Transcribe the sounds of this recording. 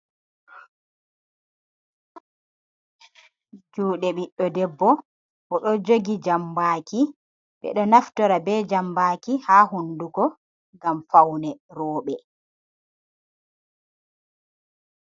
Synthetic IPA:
d͡ʒuːɗɛɓiɗːɔdɛbːɔ | ʔɔɗɔd͡ʒoɡid͡ʒambaːki | ɓɛ̰ɗɔnaftɔɾabɛːd͡ʒambaːkihaːhundukɔ | ɡamfawnɛɾɔːɓɛ

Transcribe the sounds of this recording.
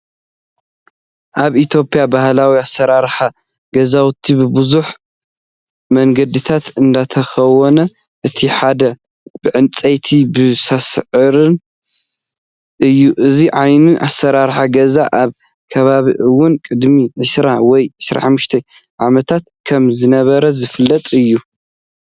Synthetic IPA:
ʔaβit̪ʰjo̞pʼijabahlawiasːɐɾaɾħa | ɡɐzawt̪ʰibɨbɨzuħ | mɐŋɡɐd̪ɨt̪ʰat̪ɨnd̪at̪ʰɐxɐwɔnɐ | ʔɨt̪ʰiħad̪ɐ | b̥ɨʕɨnt͡sʼɐjt̪ʰibɨsasʕɨɾɨn | ʔɨjːuʔɨziʕajnuʔa̰sːɐɾaɾħaɡɐzaʔaβ | kʰɐβaβḭʔɨwʊnkʼɨd̪miʕɨsɾawɔjʕɨsɾa̰ħamːuʃt̪ʰe | ʕamɐt̪ʰat̪̚kʰɐmzɨnɐβɐɾɐzɨfɨlːɐt̪ʼɨjːu

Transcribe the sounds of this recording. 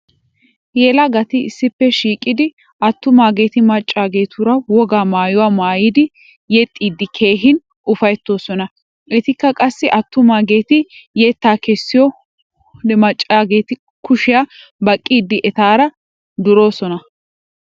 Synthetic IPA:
jeːlɐɡɐt̪ɪɪsːɪpːɛʃiːkʼːɪd̪ɪ | ʔɐt̪ːʊmaːɡe̞ːt̪ɪmɐt͡ʃʼːaːɡe̞ːt̪ʊɾɐwɔɡaːmaːjʊwaːmaːjid̪ɪ | jɛt̪ʼːiːd̪ːɪkʰe̞ːɦɪn | ʔʊfɐjɛt̪ːo̞ːsɔnɐ | ʔɛt̪ɪkːɐkʼɐsːɪʔɐt̪ːʊmaːɡe̞ːt̪ɪjɛt̪ːaːkɛsːɪjɔ | d̪ɛmɐt͡ʃʼːaːɡeːt̪ɪ | kʊʃɪjabɐkʼːiːd̪ːɪʔɛt̪aːɾɐ | d̪ʊɾo̞ːsɔnɐ

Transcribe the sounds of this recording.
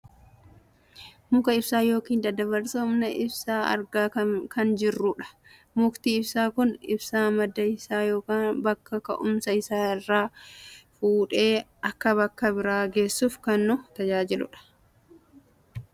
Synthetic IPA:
mʊkɐɪbsaːjo̞ːkiːnd̪ɐd̪ɐβɐɾsɐʊmnɐʔɪbsaːɐ̰ɾɡaːkɐnd͡ʒɪrːʊᶑɐ̥ | mʊkt̪iːɪbsaːkʊnɪ̰bsaːmɐd̪ːɐɪsaːjo̞ːkaːnbɐkːɐkɐ̰ʔʊmsɐɪsaːɪrːaːfuːᶑe̞ːɐkːɐβɐkːɐbɪɾaːɡe̞ːsːufkɐnːʊt̪ɐd͡ʒaːd͡ʒɪlʊ̰ᶑɐ̥

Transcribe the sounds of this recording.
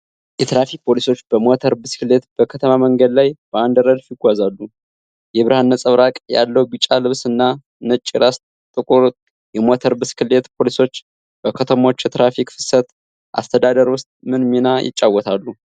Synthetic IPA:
jɛt̪ʰɾafik̚pʰo̞liso̞t͡ʃːb̥əmo̞t̪ʰəɾbɨskɨle̞t̪b̥əkʰət̪ʰəmaməŋɡəd̪lajb̥əand̪ɾəd̪fjɪɡʷazalːu | jɛβɨɾhanːəsʼəβɾakʼja̰lːəwbit͡ʃʼːalɨβsɨnːa | nɨt͡ʃʼːiɾast̪ | t̪ʼɨkʼuɾ | jɛmo̞t̪ʰəɾbɨskʰɨle̞t̪pʰo̞liso̞t͡ʃː | b̥əkʰət̪ʰəmo̞t͡ʃːjɛt̪ɾafikfɨ̥sət̪ | ʔa̰st̪ʰəd̪ad̪əɾwʊst̪ʼmɨnminajɪ̰t͡ʃʼːawːɔt̪ʰalːu

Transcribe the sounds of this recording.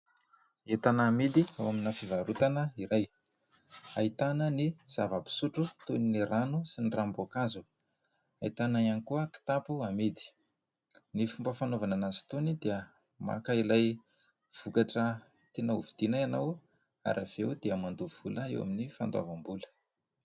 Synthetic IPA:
et̪anaːmid̪iawaminafivaɾut̪anəiɾaj | ait̪anəniz̥avapi̥suʈ͡ʂut̪oniniɾanusinirambokazu | ait̪anaianikuəki̥t̪apuamid̪i̥ | nifumbəfanovananazi̥t̪onid̪iə | ma̰kailaj | v̥ukaʈ͡ʂə | t̪enaṵvid̪̥inajanaw | a̰ɾʔav̥ewd̪iəmand̪uv̥uləḛwa̰minifand̪wa̰vambulə̥

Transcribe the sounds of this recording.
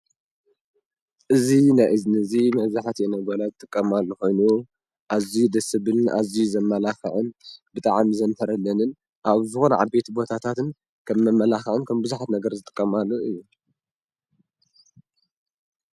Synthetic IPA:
ʔɨzinajʔɨznɨɨzimɐβzaħt̪ʰenɐbolazɨt̪ʼɨkʼːɐmalːoxo̞jnu | ʔazid̪ɐsɨβɨna̰zizɐmːɐlaxɐ̰ʕɨnbɨt̪ʼaʕamzɐnt̪ʰɐɾɐlːɐnɨn | ʔaβzɨxonʕa̰be̞t̪bo̞t̪ʰat̪ʰat̪ɨn | kʰɐmːɐmːɐlaxɐʕɨnkʰɐmbɨzuħat̪nɐɡɐɾzɨt̪ʼɨ̥kʼːɐmalːoʔɨjːu

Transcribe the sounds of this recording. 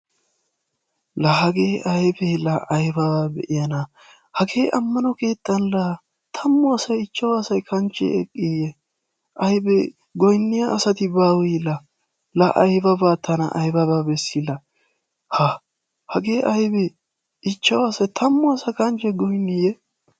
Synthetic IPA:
lɐhɐɡeːʔɐjbelɐʔɐjbɐbaːbɛ̰ʔɪjɐnɐ | hɐɡe̞ːʔɐmːɐnɔke̞ːt̪ʼːɐnlɐ | t̪ʰɐmːɔɐsɐjɪt͡ʃːɐwaːsɐjkʰɐnt͡ʃʼːɛ̰ɛkʼːijɛ | ʔɐjbɛ | ɡɔjnːɪjɐʔːsɐt̪ɪbaːwiːlɐ | lɐʔɐjbɐbaːt̪ʰɐnɐ̰ʔɐjbɐbaːbɛsːilɐ | hɐ | hɐɡe̞ːʔɐjbɛ | ʔɪt͡ʃːɐwaːsɐjt̪ʰɐmːʊɐsɐkɐnt͡ʃːɛɡɔjnːɪjɛ

